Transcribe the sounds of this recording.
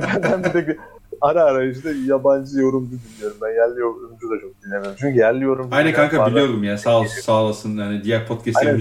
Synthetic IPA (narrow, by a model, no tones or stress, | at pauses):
bænbænd̪et̪ekiaɾaːɾajɯʃ̬d̪ajaband͡ʒɯjo̞ɾumd͡ʒud̪ʲinʲːijo̞ɾumbænjæɾlʲijo̞ɾumd͡ʒud̪at͡ʃʰo̞k̚d̪inːʲemiɾimt͡ʃʰyɲcyjæɾlʲijo̞ɾumajnɛkʰaŋkabilijo̞ɾd̪umjaːnisaːlˠasaːlˠasɯnjanid̪ijæɾpʰot̪cʰɛsa